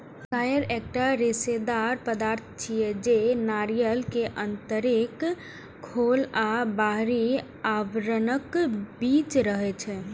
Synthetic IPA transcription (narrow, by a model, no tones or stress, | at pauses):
kajəɾek̚ʈaɾesed̪aɾpəd̪aɾt̪̚ʰt͡ʃʰijɛd͡ʒenaɾijəlkeʔənt̪əɾekʰ | olabaɦɾi | aʋɾənəkbit͡ʃɾəɦɛt͡ʃʰɛ